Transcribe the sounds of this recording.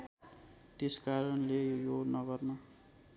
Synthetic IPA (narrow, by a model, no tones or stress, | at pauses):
t̪eskaɾʌnlejonʌɡʌrnʌ